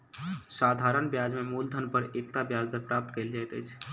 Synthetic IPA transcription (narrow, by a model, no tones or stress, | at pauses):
saːd̪ʱaːɾənbjad͡ʒmẽmuld̪ʱənpəɾek̚t̪abjaːd͡ʒd̪əɾpɾap̚t̪keːld͡ʒajt̪ə̰t͡ʃʰ